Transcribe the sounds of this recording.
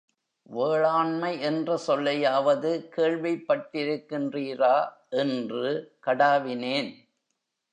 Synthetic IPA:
ʋeːɭaːɳmɐɪʔɛndrɐsɔlːɐjaːʋɐðɯkeːɻʋɐɪpːɐʈːɪɾɯkːɪndriːraː | ʔɛndrɯkɐɽaːʋɪneːn

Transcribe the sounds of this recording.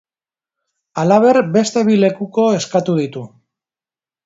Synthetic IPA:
alaβ̞e̞ɾbe̞st̪e̞βile̞kuko̞e̞skat̪uð̞it̪u

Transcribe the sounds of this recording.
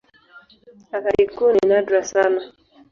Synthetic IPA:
akaɾikuninadɾasana

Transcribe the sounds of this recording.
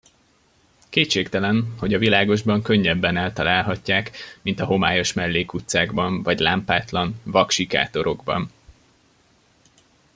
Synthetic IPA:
keːtt͡ʃeːkt̪ɛlɛnho̞ɟɒvilaːɡo̞ʒbɒŋkø̞ɲːɛbːɛnɛlt̪ɒlaːlɦɒcːaːkmint̪ɒɦo̞maːjo̞ʃmɛlːeːkut̪saːɡbɒɱvɒɟlaːmpaːt̪lɒnvɒkʃika̰ːt̪o̞ɾo̞ɡbɒ̰n

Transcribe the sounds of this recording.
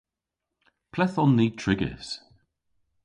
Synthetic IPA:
pʰlɛθɔnðiːtʰɹ̥ɪɡə̰s

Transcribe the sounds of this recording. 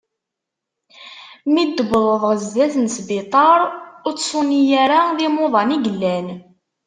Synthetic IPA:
mid̪ːəbəðˤəðˤʁəzːæθənsbɪt̪ˤɑɾˤʊɾt͡sːsʊnijaɾaðimʊðˤɑniɡəlːæn

